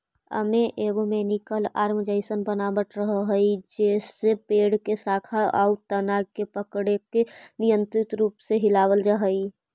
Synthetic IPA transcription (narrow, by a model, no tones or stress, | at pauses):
ə̰meʔeɡomenikəla̰ːɾmd͡ʒəɪsənbənabəʈɾəɦəɦəid͡ʒeːsːepeːɽkesaːkʰaʔaut̪ənaɡkepəkɽekenɪjənt̪ɾɪt̪ɾuːpseɦɪlaːwəld͡ʒəɦəi